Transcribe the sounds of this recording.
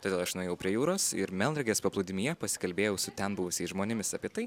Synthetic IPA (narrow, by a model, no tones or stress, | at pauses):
t̪oːdʲeːlˠɐʃnʊeːjɛʊpʲɾʲiɛjuːɾoːsɪ̰ɾmʲɛlˠd̪ɾʲɛɡʲeːspɐplˠʊd̪ʲɪmʲijɛpɐsʲɪ̥kɐlʲbʲeːjɛʊsʊt̪ʲɛnbʊʋʊsʲɛɪsʒmoːnʲɪmʲɪsɑːpʲiɛt̪ɐɪ